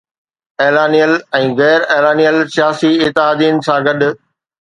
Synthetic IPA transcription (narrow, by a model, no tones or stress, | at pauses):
eːlaːnijəlɛ̃ːɣɛːɾeːlaːnijəlsɪjaːsiɪt̪ːɪɦaːd̪iːənɪ̆sãːɡɐɗʊ̆